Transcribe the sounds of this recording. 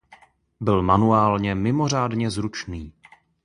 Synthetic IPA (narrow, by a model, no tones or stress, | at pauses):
bɪlmanuaːlɲɛmɪmo̞r̝aːdɲɛzɾut͡ʃniː